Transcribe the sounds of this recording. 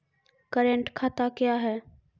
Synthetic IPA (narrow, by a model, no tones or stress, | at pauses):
kəɾẽɳʈkʰaːt̪akjaɦɛː